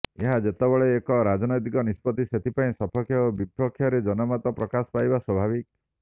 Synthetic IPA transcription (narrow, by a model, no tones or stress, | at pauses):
eɦad͡ʒet̪ebɔɭeːkɔɾad͡ʒɔnɔjt̪ikɔnispɔt̪iset̪ʰipaĩsɔpʰɔkʰjɔobipɔkʰːjɔɾed͡ʒɔnɔmat̪ɔpɾɔkasɔ̥pajbaswɔbʱabik